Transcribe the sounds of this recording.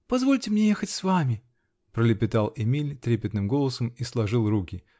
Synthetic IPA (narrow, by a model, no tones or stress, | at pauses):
pɐzvo̞lʲtʲɪmnʲejexətʲsvamʲɪ | pɾəlʲɪpʲɪt̪alˠɪmʲilʲt̪ɾʲepʲɪt̪nɨmɡo̞lˠəsəmislˠɐʐɨlˠrukʲɪ